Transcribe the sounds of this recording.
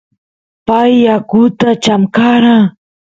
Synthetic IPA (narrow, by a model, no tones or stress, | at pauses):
pajːakut̪at͡ʃamkaɾa